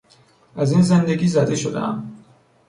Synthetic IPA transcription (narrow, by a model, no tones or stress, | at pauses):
ʔæziːnze̞nd̪eɡʲiːzæd̪e̞ʃod̪ḛæ̰m